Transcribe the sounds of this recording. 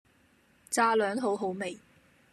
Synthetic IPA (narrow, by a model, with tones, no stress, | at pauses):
t͡saː˧lœː˨˥ŋɦo˨˥wɦo˨˥wme˨j